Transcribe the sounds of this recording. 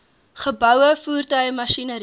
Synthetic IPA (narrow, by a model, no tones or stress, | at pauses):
χəbœwəfuːrtœɥmɐʃinəɾi